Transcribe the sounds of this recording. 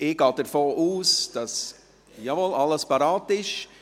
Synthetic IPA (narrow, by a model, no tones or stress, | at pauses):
ʔeɡ̥ɑːd̥əɾfoːʔuːsd̥ɑs | javolʔɑləspɑɾɑːtɪʃ